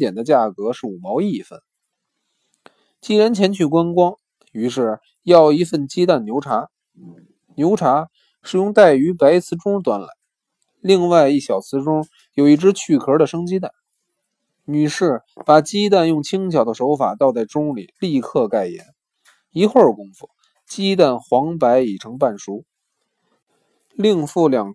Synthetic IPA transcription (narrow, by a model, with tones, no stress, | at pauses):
jɛ˨˩nd̪ə˦t͡ɕja˥˩kɤ˧˥ʂɻ̩˥˩u˨˩mɑ˧˥ʊi˥˩fə̰˥˩n | t͡ɕi˥ɻa˧˥nt͡ɕʰjɛ˧˥nt͡ɕʰy˥˩kwa˥nkwɑ˥ŋ | y˧˥ʂɻ̩˥˩ | jɑ˥˩ʊi˧˥fə˥˩nt͡ɕi˥t̪a˥˩nnjo˧˥ʊʈ͡ʂʰa˧˥ | njo˧˥ʊʈ͡ʂʰa˧˥ | ʂɻ̩˥˩jʊ˥˧ŋt̪a˥˩ɪy˧˥pa˧˥ɪt͡sʰɹ̩˧˥ʈ͡ʂʊ˥ŋt̪wa˧˥nla̰˧˥ɪ | li˥˧ŋwa˥˧ɪi˥˩ɕjɑ˨˩ʊt͡sʰɹ̩˧˥ʈ͡ʂʊ˥ŋ | jo˨˩ʊi˥˩ʈ͡ʂɻ̩˧˥t͡ɕʰy˥˩kʰə˧˥də˨ʂɤ˥ŋt͡ɕi˥t̪a˥˩n | ny˨˩ʂɻ̩˥˩pa˨˩t͡ɕi˥t̪̬a˥˧njʊ˥˩ŋt͡ɕʰi˥ŋt͡ɕʰjɑ˨˩ʊd̪ə˦ʂo˧˥ʊfa˨˩t̪ɑ˥˧ʊt͡sa˥˩ɪʈ͡ʂʊ˥ŋlḭ˨˩˦li˥˧kʰɤ˥˧ka˥˩ɪjɛ̰˧˥n | i˧˥xwə˥˩kʊ˥ŋfu˥˩ | t͡ɕi˥t̪̬a˥˩nxwɑ˧˥ŋpa˧˥ɪi˨˩ʈ͡ʂʰɤ˧˥ŋpa˥˩nʂu˧˥ | li˥˧ŋfu˥˩ljɑ˨˩ŋ